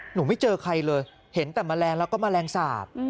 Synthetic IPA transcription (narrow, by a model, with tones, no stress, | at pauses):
nuː˩˦ma˥˩jt͡ɕɤː˧kʰa˧jlɤː˧j | he˩˦nt̪ɛː˨˩maː˧lɛː˧ŋlɛː˧˦˥wkɔː˥˩maː˧lɛː˧ŋsaː˨˩p̚